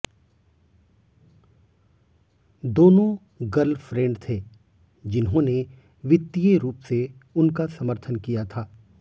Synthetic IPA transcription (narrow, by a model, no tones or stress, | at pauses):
d̪oːnõ | ɡɐlfɾẽːɳɖt̪ʰeː | d͡ʒɪnɦõne | ʋɪt̪ːijeɾuːpseʊnkasɐməɾt̪ʰənkijat̪ʰaː